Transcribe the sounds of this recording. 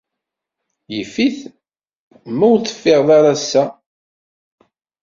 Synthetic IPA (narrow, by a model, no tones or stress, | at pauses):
jəfːiθ | mæwθə̥fːeʁðˤaɾasːæ